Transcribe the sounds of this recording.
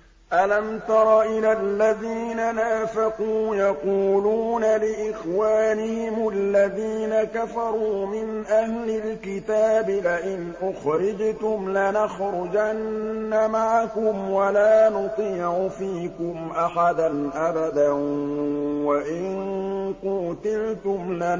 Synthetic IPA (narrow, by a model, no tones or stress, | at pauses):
ʔalamt̪ɑɾˤɑʔɪlalːaðiːnanaːfaquːjɑquːluːnalɪʔɪxwaːnɪhɪmʊlːaðiːnakafɑɾˤuːmɪnʔahlɪlkɪt̪aːbɪlaʔɪnʔʊxɾɪd͡ʒt̪ʊmlanaxɾʊd͡ʒanːamaʕakʊmwalaːnʊt̪ˤiːʕʊfiːkʊmʔaħad̪anʔabad̪a | waʔɪnquːt̪ɪlt̪ʊmla